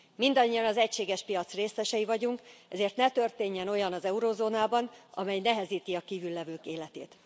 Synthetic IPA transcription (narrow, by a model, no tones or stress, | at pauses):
mind̪ɒɲːijɒnɒzɛcʃeːɡɛʃpijɒt̪sreːsɛʃɛjivɒɟuŋkɛzeːrt̪nɛt̪ø̞rt̪eːɲːɛno̞jɒnɒzɛuɾoːzoːnaːbɒnɒ̰mɛjnɛɦɛziːt̪iɒkiːvylːɛvøːkeːlɛt̪ḛːt̪